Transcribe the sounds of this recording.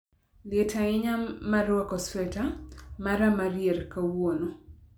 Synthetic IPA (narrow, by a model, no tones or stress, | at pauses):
letaɪɲamaɾwɔkɔsfɛtamaɾamaɾjerkawono